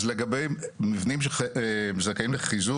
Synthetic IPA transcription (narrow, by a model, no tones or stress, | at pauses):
zleɡabejmivnimʃ̬emzakaimleχizu